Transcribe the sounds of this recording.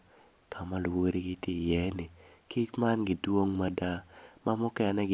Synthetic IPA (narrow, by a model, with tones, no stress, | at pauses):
kʰa˨ma˦lwo˦ɾi˦ɡɪ˦tje˦˨jɛ˦nɪ˨ki˦t͡ʃma˦nɡi˨dwo˦ŋma˦da˦mʔa˦mɔ˦kɛ˦nɛ˦ɡ